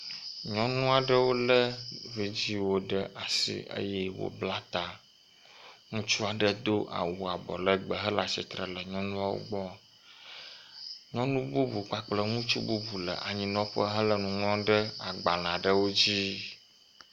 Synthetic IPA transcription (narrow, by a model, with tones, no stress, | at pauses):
ɲɔ̃˦nũ˦a˨ɖə˦wo˦lə˦vi˨d͡ʑi˦wo˦ɖə˦ʔa˨sḭ˨ʔə̰˦jɛ˦wo̰˨bla˦t̪a˨ | ŋũ˦t͡ʃu˦a˨ɖə˦d̪o˦ʔa̰˨wu˨a˨bɔ˨lə˦ɡ͡bə˨ɦə˦la˨sḭ˨t̪ɾə˨lə˨ɲɔ̃˦nũ˦a˦wo̰˦ɡ͡bɔ˦˨ | ɲɔ̃˦nũ˦bu˦bu˨k͡pa˦k͡plə˦ŋũ˦t͡ʃṵ˦bu˦bu˨lə̰˨ʔa˨ɲĩ˨nɔ̃˦ɸə˦ɦə˦lə˨nũ˨ŋɔ̃˦ɖə˦a˨ɡ͡ba˨lã˨ɖə˦wo˦d͡ʑi˦